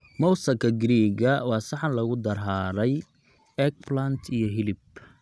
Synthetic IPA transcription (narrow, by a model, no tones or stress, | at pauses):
mɔwsɐkʰɐɡɾiːɣɐwɑːsɑħɑnlɐɣʊd̪ɐrɦaːɾɛj | ɛk̚plant̪ʰijɞɦɪlɪb